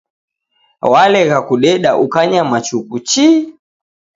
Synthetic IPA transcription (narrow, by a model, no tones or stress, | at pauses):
walɛɣakuɗɛɗaʔukaɲamat͡ʃukut͡ʃi